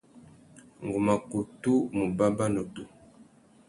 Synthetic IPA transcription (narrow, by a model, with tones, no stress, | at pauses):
ŋ˨ɡu˨ma˨ko˨tu˦mu˨ba˦ba˦no˨tu˨